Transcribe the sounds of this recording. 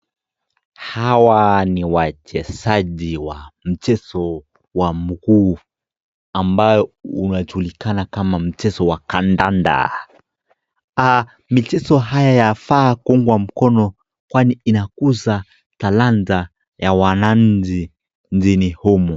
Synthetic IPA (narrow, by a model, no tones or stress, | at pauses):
hawaniwat͡ʃɛsaʄiwam̩t͡ʃɛsɔ | wamukuː | ambajɔunaʄulikanakamam̩t͡ʃɛsɔwakandanda̰ | a | mit͡ʃɛsɔɦajajafakuŋɡwam̩kɔnɔ | kwaniinakuza | talanza | jawanaɲ̩d͡ʒi | nd͡ʒinihɔmu